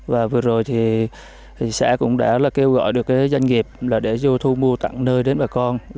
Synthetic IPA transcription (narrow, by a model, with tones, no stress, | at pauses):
vaː˨˩vɨ˨˩əzo˨˩jt̪ʰi˨˩˨ | sa̰ː˧˥kʊ̰˧˥ŋ͡mɗa̰ː˧˥laː˨˩ke˧wɣɔ̰˧˨jɗɨ˨˩əkːaː˨˦jzwa˧jŋ̟ŋi˨˩əp̚laː˨˩ɗe˧˩zo˧t̪ʰu˧mu˧ət̪a̰˧˨ŋnəː˧jɗe˨˦nɓaː˨˩kɔ˧n